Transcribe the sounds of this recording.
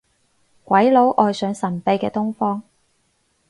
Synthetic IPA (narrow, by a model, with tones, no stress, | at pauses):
kʷɐ˨˥jlo˨˥wʔɔː˨˧jsœː˨˧ŋsɐ˨˩npe˧jkɛː˧t̪ʊ˥ŋfɔː˥ŋ